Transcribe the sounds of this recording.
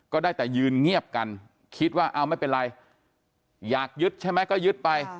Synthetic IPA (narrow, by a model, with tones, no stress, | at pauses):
kɔː˥˩daː˥˩jt̪ɛː˨˩jɯː˧nŋi˥˩əp̚ka˧n | kʰi˦˥t̪̚waː˥˩ʔaː˧˩wma˥˩jpe˧nɾa˧j | jaː˨˩k̚jɯ˦˥t̪̚t͡ɕʰa˥˩jma˦˥jkɔː˥˩jɯ˦˥t̪̚pa˧j